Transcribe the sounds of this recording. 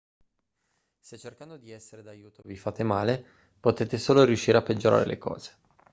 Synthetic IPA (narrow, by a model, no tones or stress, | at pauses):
set͡ʃːerkand̪od̪iɛsːeɾed̪ajuːt̪ovifat̪emaːle | pot̪eːt̪esoːloɾjuʃːiːɾeapːed͡ʒoɾa̰ːɾḛlḛkɔ̰ːz̥e̥